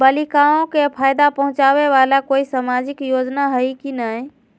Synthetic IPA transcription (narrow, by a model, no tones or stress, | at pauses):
bəlikaõkepʰaːjd̪apəɦʊ̃t͡ʃaːʋeʋaːlakoːisamaːd͡ʒɪkjoːd͡ʒnaɦəikinae